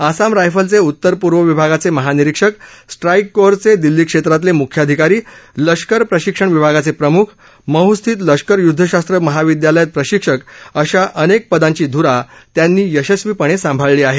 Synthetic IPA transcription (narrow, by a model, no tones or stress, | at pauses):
asamɾajfəlt͡seut̪ːəɾpuɾʋəʋibʱaɡat͡seməɦaniɾikʂəksʈɾajkːoɾt͡sed̪ilːiːkʂet̪ɾat̪lemukʰjad̪ʱikaɾiːləʂkəɾpɾəɕikʂəɳʋibʱaɡat͡sepɾəmukʰ | məɦust̪ʰiːt̪ləʂkəɾjud̪ʱːəɕast̪ɾəməɦaʋid̪jaləjat̪̚pɾəɕikʂəkəɕaʔənek̚pəd̪ãɲt͡ɕiːd̪ʱuɾat̪janːiːjəɕəsʋipəɽ̃esãmbʱaɭːiːaɦe